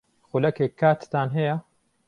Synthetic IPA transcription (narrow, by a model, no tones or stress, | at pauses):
xulɐkeːkʰːaːt̪t̪aːnɦɛja